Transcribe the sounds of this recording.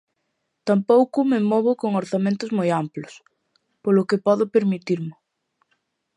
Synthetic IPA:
t̪ampowkʊmemoβʊkoŋoɾθamẽnt̪ʊzmojamplos | polokepɔðʊpeɾmit̪iɾme

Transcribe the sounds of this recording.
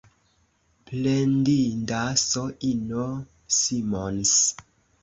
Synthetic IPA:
plendindasoʔino | simons

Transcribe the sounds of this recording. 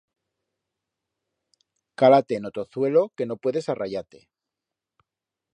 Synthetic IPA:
kalat̪e̞ːno̞t̪o̞θwe̞lo̞ke̞no̞pwe̞ðe̞saraʝat̪e̞̰

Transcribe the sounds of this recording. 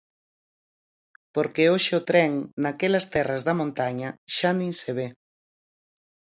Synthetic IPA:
poɾkeoʃɪʊt̪ɾɛŋnakelɐst̪ɛrazðɐmõnt̪aɲɐʃanĩŋseβ̞e

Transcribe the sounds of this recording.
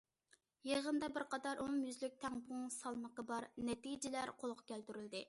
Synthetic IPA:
jeʁənd̪ɑbɪɾqʰɑd̪ɑɾʔoŋjyzlyk̚ʲt̪ʰɛŋbuŋsɑlˠməqəbɑɾnɛt̪id͡ʒɪlæɾqʰolˠqʊ̥kʲʰælt̪yɾyld̪ɪ

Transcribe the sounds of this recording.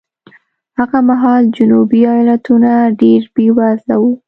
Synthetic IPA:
haɣamaɦɑld͡ʒʊnubiɑjɑlat̪unaɖeɾbewazlawu

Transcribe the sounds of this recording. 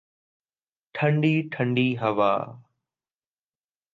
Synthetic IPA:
ʈʰəɳɖiːʈʰəɳɖiːɦəʋa̰ː

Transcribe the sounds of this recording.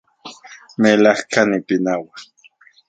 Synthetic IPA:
melahkanipinawa

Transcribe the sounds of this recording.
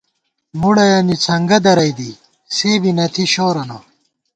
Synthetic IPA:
muɽɐjɐnit͡sʰɐŋɡɐd̪ɐɾɐjd̪i | seːbinɐt̪ʰiɕoːɾɐnɐ

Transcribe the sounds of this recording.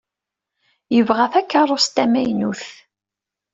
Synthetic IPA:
jəvʁæθækːɑrˤːost̪æmæjnuθ

